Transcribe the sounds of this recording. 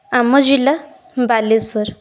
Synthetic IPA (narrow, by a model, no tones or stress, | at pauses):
amːəd͡ʑila | balesəɾ